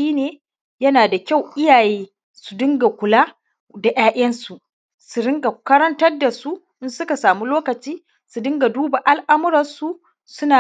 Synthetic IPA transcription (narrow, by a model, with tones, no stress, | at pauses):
ʃiː˦neː˨ | jɐ˦naː˨da˨kʲa˦˨wʔɪ˦jaː˨jeː˦ | su˨dɪ˦ŋɡa˨kʷʊ˨laː˦ | da˨jaː˦ʔɐ˦nsu˨ʔ | su˨ɽɪ˦ŋɡa˨kɐ˦ɾɐ˦ntɐ˦rda˨su˦ | ʔɪ˦nsʊ˦ka˨saː˨mu˦loː˦kɐ˨t͡ʃiː˦ | su˨dɪ˦ŋɡa˨duː˦ba˨ʔa˦lʔa˦mʊ˦ɾɐ˨nsu˦ | sʊ˦naː˨